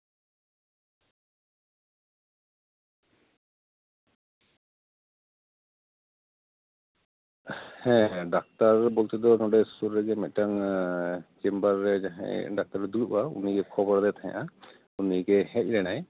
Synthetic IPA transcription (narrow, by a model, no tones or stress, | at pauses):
hɛ̃ɖak̚t̪aɾbɔlt̪ɛd̪ɔnɔɖɛssuɾɾɛɡɛmɛc̪̚ˀʈaŋ | d͡ʒɛmbaɾːɛd͡ʒaɦã̰jɖak̚t̪aɾːɛd̪uluʔaṵniɡɛkʰɔbɔɾd̪ɛt̪ʰaɲa̰ʔa | uniɡɛɦɛc̚ˀɾɛnaj